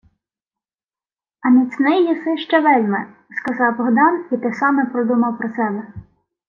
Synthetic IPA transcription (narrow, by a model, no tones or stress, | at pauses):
ɐnʲit͡s̪ʲnɪjjisɪʃt͡ʃɛʋɛlʲmɛ | skɐzɑwbɔɦd̪ɑnit̪ɪsɑmɛpɾɔd̪umɐwpɾɔsɛbɛ